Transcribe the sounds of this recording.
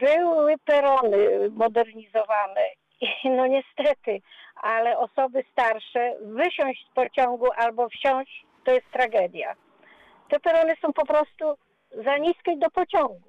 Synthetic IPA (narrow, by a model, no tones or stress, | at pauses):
bɘwɘpɛɾɔnɘmɔd̪ɛɾɲizɔvanɛ | inɔɲɛst̪ɛt̪ɘʔalɛʔɔsɔbɘst̪aɾʂɛvɘɕɔ̃w̃ʑspɔt͡ɕɔŋɡuʔalbɔfɕɔ̃w̃ɕ | t̪ɔjɛst̪ːɾaɡɛd̪ʲja̰ | t̪ɛpɛɾɔnɘsɔ̃w̃pɔpɾɔst̪u | zaɲiskʲɛd̪ɔpɔt͡ɕɔ̃ŋɡu